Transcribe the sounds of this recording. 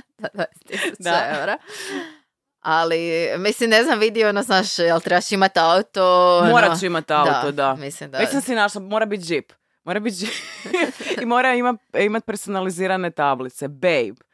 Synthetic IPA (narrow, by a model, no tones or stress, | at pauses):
d̪ad̪at̪id̪aeɾa | alimislimneznamʋid̪ionoznaːʃjelˠt̪ɾebat͡ʃimat̪aut̪ommoɾat͡ɕimat̪auat̪od̪amislimd̪amisimsinaʃlamoɾabit̪̚d͡ʒip | moɾabit̪̚d͡ʒipimoːɾaimaimat̪̚peɾsonaliziːɾanet̪ablit̪sebejb